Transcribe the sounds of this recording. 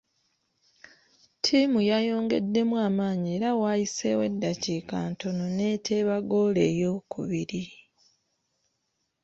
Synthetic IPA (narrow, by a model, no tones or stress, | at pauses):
tʰiːmujajo̞ːŋɡe̞̰dːe̞mwaːmaːɲieːɾawajise̞̰we̞̰dːaciːkaːnto̞no̞ne̞ːtʰe̞ːβaɡo̞ːle̞ːjo̞kʰṵβiɾi